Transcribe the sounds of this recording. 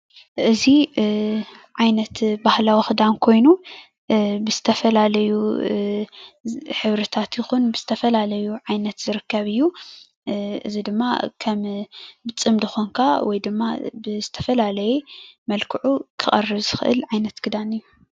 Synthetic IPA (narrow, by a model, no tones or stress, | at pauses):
ʔɨzi | ʕajnɐt̪bahlawixɨd̪amkʰo̞jnu | bɨzɨt̪ʰɐfɐlalɐju | ħɨβɾɐt̪ʰat̪jɪxunbɨz̥ɨ̥t̪ʰɐfɐlalɐjuʕajnɐt̪zɨɾɨkʰːɐβɨjːu | ʔɨ̰zid̪ɨmːa̰kʰɐmbɨt͡sʼɨmd̪ɨxoŋkʰawɔjd̪ɨmːabɨzɨt̪ʰɐfɐlalɐjemɐlkʰɨʕukʰɨχʼɐrːɨβzɨxɨʔɨ̰lʕajnɐt̪kʰɨd̪anɨjːu